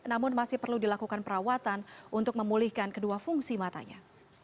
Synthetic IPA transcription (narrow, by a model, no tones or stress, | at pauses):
namʊnmasɪhpərludilakukanpəɾawat̪anʔunt̪ʊk̚məmulɪhkankəduafuŋsimat̪a̰ɲa̰